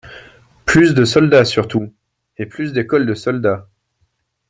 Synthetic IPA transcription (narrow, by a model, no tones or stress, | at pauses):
plysd̪əsɔld̪asyʁt̪u | eplysd̪ekɔld̪əsɔld̪a